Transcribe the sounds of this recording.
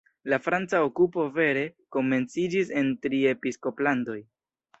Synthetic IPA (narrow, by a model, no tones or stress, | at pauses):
lafɾant͡saokupo̞ve̞ɾe̞ko̞me̞nt͡sid͡ʒis̬e̞ntɾie̞pisko̞plando̞j